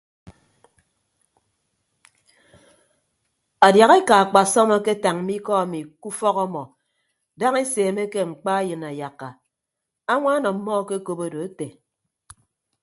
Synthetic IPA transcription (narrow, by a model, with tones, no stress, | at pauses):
a˨dja˨ɣe˦ka˨k͡pa˨sɔ˦mɔ˦ke˦ta˨ŋm̩˦i˦kɔ˦a˨mi˨ku˦fɔ˦ɣɔ˦mɔ˨ | da˦ŋe˦seː˨me˦ke˦ŋ͡m̩˨k͡pa˦jɨ˨na˨ja˨kːa˨ | a˦ŋʷa˦nɔ˨m̩˦mːɔ˦ke˦ko˦bo˦do˨e˦te˨